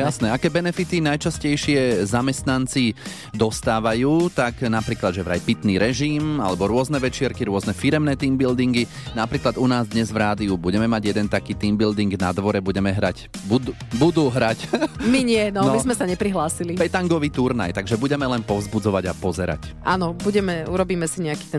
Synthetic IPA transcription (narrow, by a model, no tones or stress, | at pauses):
jasnɛakɛːbɛnɛfit̪inajt͡ʃascɛjʃɪɛzamɛst̪nant͡si | d̪ɔst̪aːʋajuːt̪aknapɾiːklad̪ʒɛʋɾa̰jpit̪niɾɛʒima̰lɛbɔɾʊɔznɛʋɛt͡ʃɪɛɾkiɾʊɔznɛfiɾɛmnɛːt̪iːmbild̪iŋɡi | napɾiːklad̪unaːzd̪ɲɛzʋɾaːd̪iubuɟɛmɛmaɟjɛd̪ɛnt̪akiːt̪iːmbild̪iŋɡnad̪ʋɔɾɛbuɟɛmɛɦɾac | bud̪ubud̪uːɦɾacmiɲɪɛnɔnmizmɛsaɲɛpɾiɦlaːsilipɛt̪aŋɡɔʋiːt̪uɾna̰jt̪aɡʒɛbuɟɛmɛlɛnpɔʊzbud͡zɔʋaɟapɔzɛɾa̰cʔanɔbuɟɛmɛuɾɔbiːmɛsiɲɛaki̥ːt̪ɛ